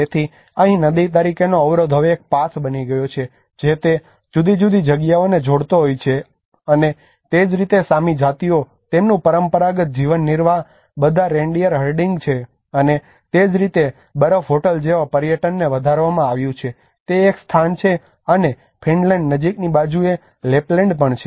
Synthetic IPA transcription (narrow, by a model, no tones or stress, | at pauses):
et̪ʰi | əɦĩnəd̪it̪̬aɾikʰenoəʋɾod̪ʱɦəʋeːk̚pasbəniɡəjot͡ʃʰe | d͡ʒet̪e | d͡ʒud̪ʱid͡ʒud̪id͡ʒəɡjaoned͡ʒoɽt̪oɦojt͡ʃʰe | əne | t̪ed͡ʒɾit̪esamid͡ʒat̪io | t̪emnũpəɾəmpəɾaɡət̪̚d͡ʒiʋənːiɾʋa | bəd̪ʱaɾẽɳɖijəɾɦəɾɖiŋɡt͡ʃʰe | əne | t̪ed͡ʒɾit̪e | bəɾəfɦoʈəld͡ʒeʋapəɾjəʈənːeʋəd̪ʱaɾʋamãaʋjũt͡ʃʰe | t̪eːkst̪ʰant͡ʃʰe | əne | pʰiɳlɛɳɖnəd͡ʒiknibad͡ʒue | leplẽɳɖpəɳt͡ʃʰe